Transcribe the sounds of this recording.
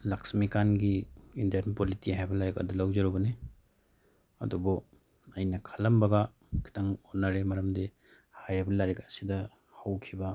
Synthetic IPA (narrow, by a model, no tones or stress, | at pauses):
laksmikanɡiːndɐɾnpolitiɦajbɐlaɾika̰dulawzɐɾubɐne | ɐ̰dubɔ | ɐjnɐkʰɐlɐmbɐɡɐ | kʰi̥tɐŋonːaɾemɐɾɐmdi | hajbɐlaɾikɐsidɐ | hɐwkʰibɐ